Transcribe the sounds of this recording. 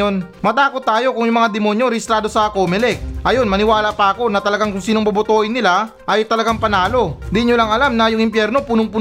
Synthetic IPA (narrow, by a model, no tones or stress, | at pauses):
on | mɐt̪aːkot̪ːaːjo̞kʊŋjʊŋmɐŋad̪ɛmo̞njoɾɛɪst̪ɾaːd̪o̞sɐkomɛlɛk̚ʔɐjo̞nmɐnɪwaːlɐpɐʔɐko̞nɐt̪ɐlɐɡaŋkʊŋsiːnoŋbɐbʊt̪oːʔɪnːɪla | ʔɐjt̪ɐlɐɡaŋpɐnaːlo̞d̪iɲolɐŋʔɐlamnɐjʊŋʔɪmpjɛɾno̞puːnoŋpu